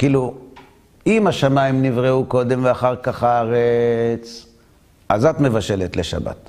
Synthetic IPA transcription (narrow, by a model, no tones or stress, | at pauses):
kiːlu | imaʃamaimnivʁeuko̞d̪e̞mveaχaʁkaχaaʁet͡s | ʔazat̪me̞vaʃe̞let̪leʃa̰ba̰t̪